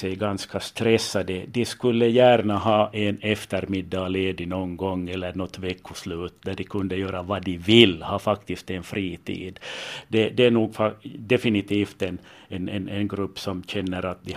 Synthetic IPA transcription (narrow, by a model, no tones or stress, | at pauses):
ɛjɡanskast̪ɾɛsːad̪əd̪ɪskɵlːəjæːɾɳaɦɑːʔɛnɛft̪əɾmɪd̪ːɑleːd̪ɪnɔnɡɔŋːɛlːəɳɔt̪ːvɛkʰːʊslʉːt̪d̪æɖɪkʰɵnd̪əjøːɾavɑd̪ɪvɪlːhɑːfakt̪ɪst̪ɛnfɾiːt̪ʰḭːd̪d̪ɛd̪ɛæɳuːɡfad̪ɛfɪnɪt̪iːft̪ɛn | ɛnɛnɛnɡɾɵpːsɔmɕɛnːəɾat̪̚d̪ɪ